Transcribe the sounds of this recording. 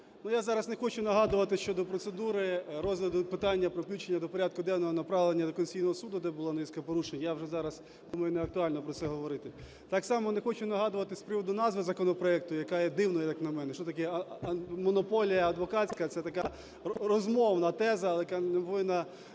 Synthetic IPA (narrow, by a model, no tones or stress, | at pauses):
nujazɑɾɐznexɔt͡ʃʊnɐɦɑd̪ʊʋɐt̪ɪʃt͡ʃɔd̪ɔpɾɔt̪sed̪uɾɪɾɔzɦlʲɐd̪ʊpɪt̪ɑnʲːɐpɾɔpʲit͡ʃenʲːɐd̪ɔpɔɾʲad̪̚kʊd̪ɛwnɔɦɔnɐpɾɑʋlˠenʲːɐd̪ɔkɔnʲsʲijnɔɦɔsud̪ʊd̪ɛbʊlˠanɪsʲkɐpɔɾuʃenʲjawʒɛzɑɾɐs | d̪umɐjʊnɛɐk̚t̪ʊɑlʲnɔpɾɔt̪sɛɦɔʋɔɾɪt̪ɪ | t̪ɑksɑmɔnexɔt͡ʃʊnɐɦɑd̪ʊʋɐt̪ɪspɾɪʋɔd̪ʊnɑzʋɪzɐkɔnɔpɾɔɛk̚t̪ʊjɐkɑjɛd̪ɪwnɔjɛjɐknɐmɛnɛʃɔt̪ɐkɛ | mɔnɔpɔlʲijɐɐd̪ʋɔkɑt͡sʲsʲkɐt̪sɛt̪ɐkɑ | rɔzmɔʋnɐt̪ɛzɐːlˠɛjkanemɔʋɪnɐ